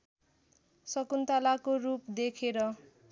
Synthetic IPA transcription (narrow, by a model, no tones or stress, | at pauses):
sʌkunt̪alakorupd̪ekʰeɾʌ